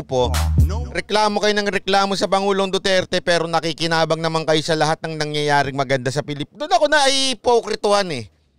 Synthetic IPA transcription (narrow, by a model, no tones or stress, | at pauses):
poɾɛklaːmo̞kɐjonɐŋɾɛklaːmo̞sɐpɐŋuːlo̞ŋd̪ot̪ɛɾt̪ɛpɛːɾo̞nɐkikɪnaːbɐŋnɐmaŋkɐjosɐlɐɦat̪̚nɐŋnɐŋjɐjaːɾɪŋmɐɡɐnd̪asɐpɪlɪpd̪onɐko̞nɐːjpokɾɪt̪ʊhanɛ